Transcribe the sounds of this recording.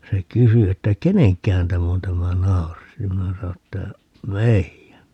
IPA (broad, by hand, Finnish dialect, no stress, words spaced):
se kysy etːæ keneŋkːæhæn tæm on tæmæ nɑuris jɑ minæ sɑno etːæ meijæn